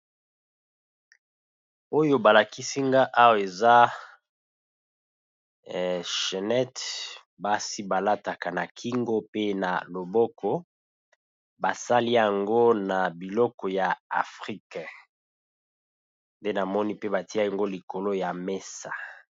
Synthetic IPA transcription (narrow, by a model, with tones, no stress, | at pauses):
o˦jo˦ba˨la˨ki˦si˦ŋɡa˦ʔa˦wo˨e˨za˦˨ | ʃe˨nɛ˦t | ba˦si˦ba˨la˦ta˨ka˨na˨kʰi˦ŋɡo˦pe˦na̰˨lo˨bɔ˦kɔ˦ | ba˨sa˦li˦ja˨ŋɡo˦na˨bi˨lɔ˦kɔ˨ja˨a˨fʁi˦k | nde˦na˨mɔ˦ni˦pe˦ba˨ti˦a˦ja˨ŋɡo˦li˨ko˨lo˦ja˨me˦sa̰˨